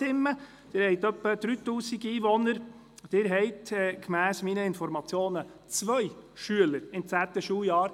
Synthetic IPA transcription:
ɪmːə | d̥ɪːɾhɛɪt̪œpːəd̪̥ɾyːt̪uːsiɡiːʋɔnəɾ | d̥̪ɪːɾɦɛɪtɛkmæːsmiːnəɪnfɔɾmɑt͡sjoːnət͡sʋœɪʃyələɾɪmt͡sæːt̪əʃuːjɑːɾ

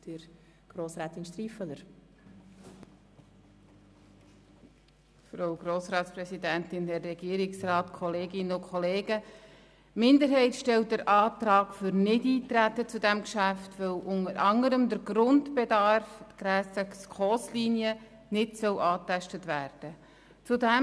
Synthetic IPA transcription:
d̥əɾ | ɡ̥ɾoːsɾɛːt̪ɪnʃt̪ɾiːfələɾ | fɾoʊɡ̥roːsɾɑːtsprɛsidæntɪnhɛrːɛɡ̥iːəɾɪksrɑːtkʰɔleːɡɪnəʊkʰχɔleːɡə | mɪndəɾɦɛɪtʃtɛlt̚dəɾʔɑːt̪ɾɑːɡfʏɾnɪdiːtɾætːət͡sudæmkʃæftʋœwʔʊnəɾʔɑŋəɾəmdəɾɡrʊndbedɑrftɡ̥ɾæːsəkskχɔːsliːnjə | nɪdsœwʔɑːtæʃtətvæːɾd̥ə | t͡sudæ

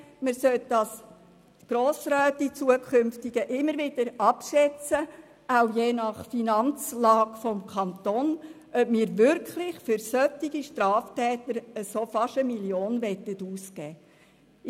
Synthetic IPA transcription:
mɪsœtd̥ɑs | ɡ̥ɾoːsɾœːt̪it͡suəkʰʏmftɪɡəʔɪmːəɾʋɪd̥əɾɑpʃɛt͡sə | aʊjeːnɑχfinɑnt͡slɑːɡ̥fɔmkʰɑnt̪on | ʔœpmiːɾʋʏɾkχlɪχfʏɾsœtːiɡiʃtɾɑːftɛːt̪əɾəsofɑʃəmiljoːnʋɛt̪ətuːskɛː

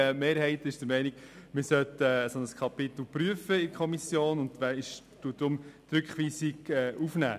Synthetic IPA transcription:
meːɾɦɛɪtɪʃd̥əɾmɛɪnɪɡ̥mɪɾsœt̪ɛsɔnəskʰɑpɪt̪l̩pɾyəfəɪkχɔmisjoːnʊnd̥̪ʋæɪʃ | d̥uəd̥ɾʊmt̪ɾʏkχʋiːsɪɡɛːʔufnæ̰ː

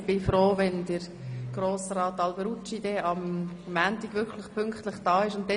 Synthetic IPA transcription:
b̥ɪfɾoːvɛndəɾ | ɡ̥ɾoːsrɑːt̪ɑlbəɾut͡ʃidɛɑmːæːntiɡ̥vʋʏɾkʰləχpʰʏŋkt̪ləχd̥ɑːɪʃʊnt̪ːɛ

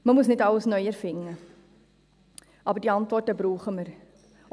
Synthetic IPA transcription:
məmusnɛtɐləsnœjərfɪŋə | ʔɑːbərdiɑntvortəbɾuːχəmər

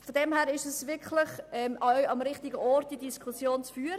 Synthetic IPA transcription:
fɔdɛmhæːɾɪʃɛsvɪkʰlɪχɛmʔɑɥɑmɾɪχtɪɡəʔɔɾtd̥idiskχusjoːnt͡sfyːɾ

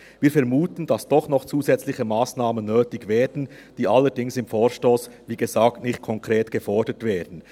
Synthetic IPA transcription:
viːɐfɛɾmuːtn̩d̥asd̥ɔχnɔχt͡suːzɛt͡slɪçəmaːsnaːmənːøːtɪçvɛːdn̩ | d̥iːʔalːəɾdɪŋsɪmfoːɾʃtoːsviːɡəzaːktnɪxt̚kʰɔŋkʁ̥eːtɡ̥əfɔɹdətv̥eːdn̩

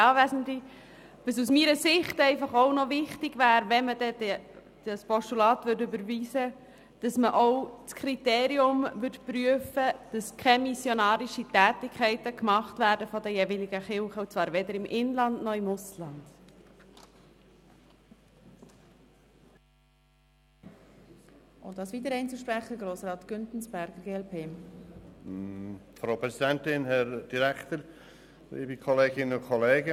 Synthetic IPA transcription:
ɑːʋæsn̩tli | ʋəs̬usmiːɾəsɪχtɛɪfɑχɔʊnɔvɪχtɪɡ̥væːɾvɛmədɛdɛ | d̥əspɔʃtulɑːtʋʏɾtʏbəɾviːsə | d̥ɑsməʔɔʊt͡skʰɾiteːɾiʊmvʏtpɾyəfəd̥ɑskʰɛmisjɔnɑːɾiʃitæːtɪkʰχɛɪtəkmɑχtvæːɾdəfɔdəjevilɪɡəχɪlχəut͡svɑːɾʋɛd̪əɾɪmʔɪnlɑndnɔɪmʊslɑnd̥ | ʔʊntdɑːsʋiːd̪əɾɛɪnt͡suʃpɾæχəɡɾoːsɾɑːtɡ̥ʏntn̩sb̥æɾɡ̥əɾɡeːɛlpʰeː | fɾoːpɾɛsidɛnt̪ɪnhɛɾd̥iɾɛkt̪əɾ | lḭːbikʰɔleːɡɪnənʊnkʰɔleːɡə

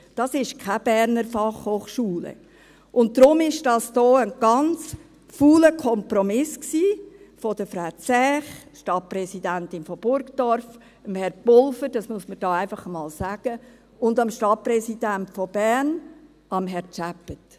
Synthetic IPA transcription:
d̥ɑsɪʃkʰab̥ɛɾnəɾfɑχhoːχʃuːlə̰ | ʔʊnt̚d̥ɾʊmɪʃd̥ɑsd̥ɔːənɡ̥ɑnt͡s | fuːləkʰɔmpɾɔmɪsksiː | fɔd̥əfɾaʊt͡sɛːχʃtɑt̚prɛsidæntɪnfɔb̥ʊɾkd̥ɔɾf | əmhɛɾb̥ʊlfəɾd̥ɑsmuəsməd̥ɑːæɪfɑχəmɑːlsæɡ̥ə | ʊndɑmʃtɑt̚pɾɛsid̥æntfɔb̥ɛɾn | ɑmɦɛɾt͡ʃæpət

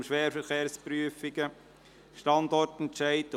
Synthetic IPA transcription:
mʃʋɛːɾfəɾχeːɾspɾyəfiɡə | ʃtɑndɔɾtɛntʃæɪt

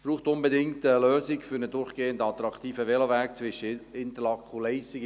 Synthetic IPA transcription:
b̥ɾuːχtʊnbedɪŋtəløːsɪkfyɾnədʊɾχɡ̥eːəndɑt̪ɾɑkt̪iːfəʋɛləʋæk̚t͡sʋɪʃəɪnt̪əlɑkχulɛɪsɪɡ

